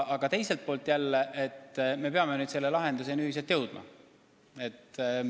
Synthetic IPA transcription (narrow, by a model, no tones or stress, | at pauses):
ʔɑɡ̥ɑt̪e̞jselt̪̚poːlt̪ːˑjælːeʔet̪ːme̞pe̞ɑmenyːd̪se̞lːelɑɦe̞nd̪us̬enyhis̬elt̪jɤwd̪̥mɑ̰ | e̞t̪ː